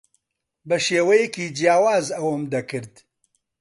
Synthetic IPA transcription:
bɐʃeːwɐjɛkiːd͡ʒjaːwaːzɐwɐmd̪ɐkɨɾd̪

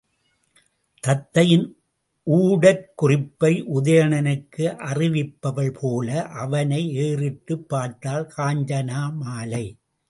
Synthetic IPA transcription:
t̪ɐt̪ːɐjɪn | ʔuːɽɐɾkʊrɪpːɐɪʔʊðɐjɐɳɐnɯkːɯʔɐrɪʋɪpːɐʋɐɭpʰoːlɐʔɐʋɐnɐɪeːrɪʈːɯpːaːɾt̪ːaːlkʰaːɲd͡ʒɐnaːmaːlɐɪ

